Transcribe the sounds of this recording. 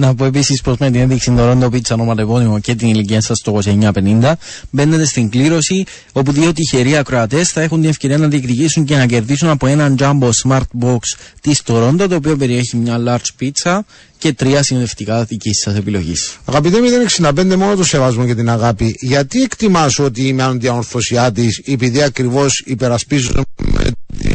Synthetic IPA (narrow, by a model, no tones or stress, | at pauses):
nɐpoe̞p̬isispo̞zme̞t̪ineðiksind̪oɾo̞nd̪opit͡sːɐnomɐt̪evonimo̞ce̞t̪iniliciɐnsɐst̪oko̞seɲːɐpe̞nind̪ɐ | be̞nːe̞t̪e̞st̪iŋɡliɾo̞si | o̞puðio̞t̪içe̞ɾiɐkɾo̞ɐt̪e̞sθɐe̞xund̪ine̞fce̞ɾiɐnɐðiekt̪icisuɲce̞nɐce̞ɾðisunɐpo̞e̞nɐnd͡ʒɐmbosmɐɾt̪̚bo̞kst̪ist̪o̞ɾo̞nd̪ɐt̪o̞ːp̬io̞p̬e̞ɾie̞çimɲɐlɐɾd͡ʒpit͡sːɐ | ce̞t̪ɾiɐsinðe̞ft̪ikɐt̪icisːɐse̞pilo̞̰ʝḭsɐɣɐpit̪emiðeneksinɐpend̪emo̞not̪osevɐzmoce̞t̪inɐɣapiʝɐt̪iekt̪imɐsuot̪iːmɐnund̪iɐnoɾθo̞siɐt̪isepiðiɐkɾivo̞sipeɾɐspizun̰